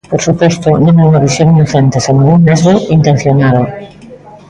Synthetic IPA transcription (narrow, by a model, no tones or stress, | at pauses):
poɾsupwest̪onõneunaβisjoninoθent̪esemũnunːezβoint̪ẽn̟θjonaðo